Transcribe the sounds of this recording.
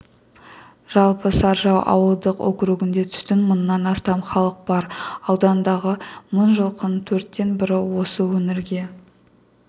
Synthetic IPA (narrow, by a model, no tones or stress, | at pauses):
ʒ̥ɑlˠpəsɑɾʒɑwʔɑ̰wəlˠd̪əqo̰kɾuɡʲɪnd̪e̞t̪ʰʏ̥st̪ɪnmʊnːɑnɑst̪ɑmχɑlˠəq̚b̥ɑɾɑwd̪ɑnd̪ɑʁəmʊnʒəlˠqʰənt̪ʰɵɾt̪ːe̞nbɪɾɪwo̞səwɵmɪɾɡʲe̞